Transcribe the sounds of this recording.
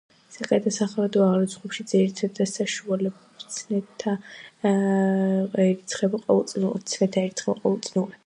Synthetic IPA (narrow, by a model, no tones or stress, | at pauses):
sakʼlɛt̪ʰasaχaɾad̪ɔaʁlɛsʰχupʃid̪zɛɾit̪ʰad̪asaʃualɛ | t̪sʰnɛt̪ʰːa | ɛɾit̪sʰχɛbaqʼɔvɛlˠt̪sʼint̪sʰmɛt̪ʰaɛɾit̪sχɛbaqʼɔvɛlˠt̪sʼinuɾɛ